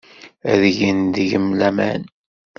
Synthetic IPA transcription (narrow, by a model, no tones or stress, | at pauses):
æðʝənd̪əʝəmlæmæ̰n